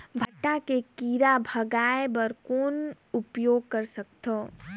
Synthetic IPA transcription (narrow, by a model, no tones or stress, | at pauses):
bʱɐʈːakekiːɾabʱɐɡaːebəɾkoːn | ʊpjoːɡ̚kəɾsək̚t̪ʰoː